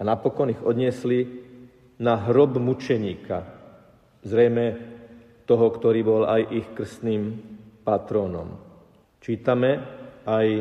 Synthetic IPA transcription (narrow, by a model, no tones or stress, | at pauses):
anapɔkɔniɣɔd̪ɲɪɛsli | naɦɾɔbmut͡ʃɛɲiːkʰa̰ | zɾɛjmɛ | t̪ɔɦɔkt̪ɔɾiːbɔlajʔixkr̩st̪niːmpat̪ɾɔːnɔ̰m | t͡ʃiːt̪amɛaj